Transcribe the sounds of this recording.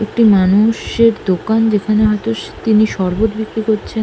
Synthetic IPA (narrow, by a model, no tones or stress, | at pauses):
ek̚ʈimanuʃeɾd̪okand͡ʑekʰaneɦɔjt̪oʃt̪iniʃɔɾbot̪bikɾikoɾt͡ɕʰen